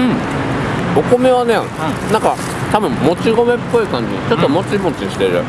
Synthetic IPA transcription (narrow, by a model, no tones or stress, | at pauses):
ɯ̟̃ | o̞ko̞me̞β̞ane | nãŋka | t̪abɯ̟̃mmo̞t͡ɕiɡo̞me̞pːo̞ikãɲ̟d͡ʑḭɲḭt͡ɕo̞t̪ːo̞mo̞t͡ɕimo̞t͡ɕiɲiɕi̥t̪e̞ɾɯ̟̰